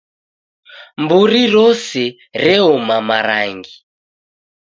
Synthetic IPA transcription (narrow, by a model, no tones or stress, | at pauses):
mbuɾiɾɔsɛ | ɾɛɔmamaɾa̰ŋɡi